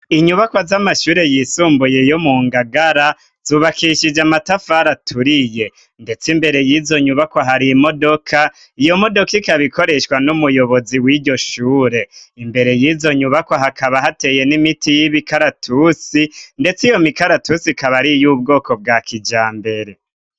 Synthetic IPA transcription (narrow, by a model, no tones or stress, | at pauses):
iɲuβakwazamaʃuːɾe̞jisuːmbuje̞jomuːŋɡaɡaɾa | z̥uːβakiʃid͡ʒamatafaɾatʰuɾije̞ | nde̞t͡simbe̞ɾe̞jiːzo̞ɲuβakaɦaɾimo̞do̞kʰa | ijo̞mo̞do̞kikaβiko̞ɾe̞ʃwanumujo̞βo̞ziwiɟo̞ʃuːɾe̞imbe̞ɾe̞jiːzo̞ɲuβakoɦakʰaβaɦate̞je̞nimitijiβikaɾatʰusinde̞t͡sijo̞mikaɾatusikaβaɾijuːb̚ɡo̞ːko̞b̚ɡaːkʰid͡ʒaːmbe̞ɾe̞